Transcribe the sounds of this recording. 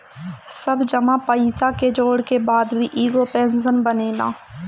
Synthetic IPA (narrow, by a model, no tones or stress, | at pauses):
sɐbd͡ʒɐmãpəit̪aked͡ʒoːɽkebaːd̪bʱiʔiːɡopɛ̃ːnsənbɐneːla̰ː